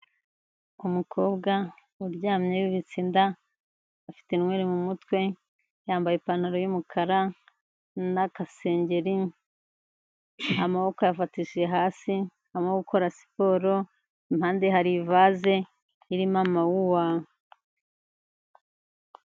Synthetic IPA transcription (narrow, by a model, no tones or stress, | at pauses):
umukʰo̞ːbɡa | uɾɟaːmɲeβiβit͡siːndaː | fi̥tenŋwe̞ːɾemumutwe̞ | jaːmbajepan̥aɾojumukʰaɾa | nakase̞ːɲɟe̞ɾi | amaβo̞kojafatiʃieɦaːsi | amaɡuko̞ɾasi̥po̞ːɾo | imhaːndehaɾivaːze̞ | iɾimamawuwa